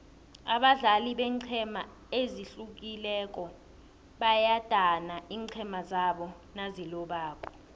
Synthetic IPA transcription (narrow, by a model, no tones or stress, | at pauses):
aɓaɮaliɓɛːǀʰɛma | eziɬuk̬ilɛk̬ʼɔ | ɓajad̥ʼʱanaiːŋǀʰɛmazaɓɔ | nazilɔɓaːkʰʼɔ̥